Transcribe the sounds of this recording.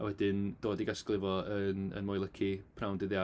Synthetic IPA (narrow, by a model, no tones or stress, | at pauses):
awɛdɪnd̥oːdiɡasklˠɪvɔənə̰nmɔjlˠəkʰipʰrawndɪðja